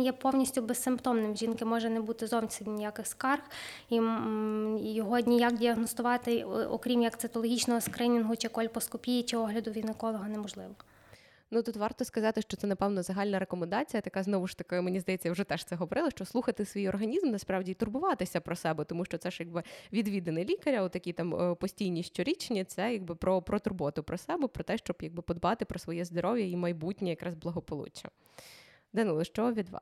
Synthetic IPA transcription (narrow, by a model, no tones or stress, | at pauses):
jɛpɔwnʲisʲtʲʊbesːɪmpt̪ɔmnɪmʒʲinkɪmɔʒɛnɛbut̪ɪzɔwʲsʲɪnʲnʲijakɪxskɑrxi | jɔɦɔdʲnʲijakdʲiɐɦnɔst̪ʊʋɑt̪ɪʔɔ̰kɾʲimjɐkt̪ɪt̪ɔlˠɔɦʲit͡ʃnɔɦɔskɾɪnʲinɦʊt͡ʃɪkɔlʲpɔskɔpʲijit͡ʃɪɔɦlʲɐd̪ʊʋʲid̪nɪkɔlˠɔɦɔnɛmɔʒlˠɪʋɔ | nut̪ut̪ʋɑrt̪ɔskɐzɑt̪ɪʃt͡ʃɔt̪sɛnɐpɛwnɔzɐɦɑlʲnɐɾekɔmend̪ɑt͡sʲijɐt̪ɐkɑznɔʋʊʃt̪ɐkamenʲizd̪ɐjɛt͡sʲːɐjawʐɛt̪ɛʃt̪sɛɦɔʋɔɾʔɪlˠɔʃt͡ʃɔslˠuxɐt̪ɪsʋʲijɔrɦɐnʲizmnɐspɾɑwdʲiːt̪ʊrbʊʋɑt̪ɪsʲɐpɾɔsɛbɛt̪ɔmuʃt͡ʃɔt̪sɛʃjaɡ̚bɪʋʲid̪ʋʲid̪enɛlʲikɐɾʲɐʊt̪ɐkʲit̪ɑmpɔsʲtʲijnʲiʃt͡ʃʲɔɾʲit͡ʃnʲit̪sɛjaɡ̚bɪpɾɔpɾʔɔt̪ʊrbuɐt̪ʊpɾɔsɛbɛpɾɔt̪ɛʃt͡ʃɔbjɐɡ̚bɪpɔd̪bɑt̪ɪpɾɔsʋɔjɛzd̪ɔɾɔʋʲjɐimɐjbutʲnʲijɐkɾɑzblˠɐɦɔpɔlˠṵt͡ʃɐ̰ | d̪ɛnuɪʃt͡ʃɔʋʲid̪ʋɑ̰